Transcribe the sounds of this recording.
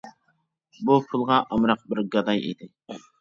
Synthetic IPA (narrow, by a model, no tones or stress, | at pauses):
bupʰulˠʁɑʔɑmɾɑq̚bɪɾɡɑd̪ɑjḭd̪ɪ